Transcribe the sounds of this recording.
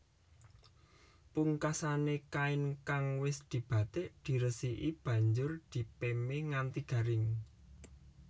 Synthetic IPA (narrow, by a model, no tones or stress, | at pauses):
puŋkasanekaɪnkaŋwɪsd̪̥i̤b̥ä̤t̪eʔd̪̥i̤ɾəsiʔib̥ä̤ɲd͡ʒʊrd̪̥i̤pemeŋant̪iɡ̥ä̤ɾɪŋ